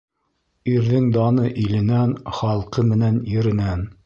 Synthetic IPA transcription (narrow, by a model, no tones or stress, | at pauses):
iɾðɘŋd̪ɑnɤʔilɘ̆nænχɑlˠqɤmɘ̆nænjɘ̆ɾɘ̆næn